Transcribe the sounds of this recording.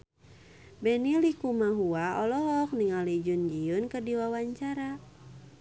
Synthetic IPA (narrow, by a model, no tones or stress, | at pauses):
bɛnilikumaɦuaɔlɔɦɔk̚niŋalid͡ʒund͡ʒiunkərdiwawaɲt͡ʃaɾa